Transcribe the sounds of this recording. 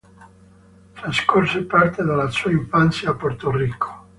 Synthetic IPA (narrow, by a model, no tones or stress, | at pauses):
fɾaskorsepart̪ed̪alːasuːaiɱfant̪sjaːpːort̪oriːkʰo̥